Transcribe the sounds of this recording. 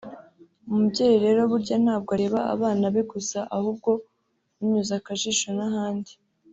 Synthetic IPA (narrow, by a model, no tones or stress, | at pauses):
umubɟeɾeɾe̞ːɾo̞βuɾɟan̥haːb̚ɡoaɾe̞ːβaa̰βaːnaβe̞ɡusaʔahub̚ɡo̞ | uɲuzakaʒiʃonaɦaːndi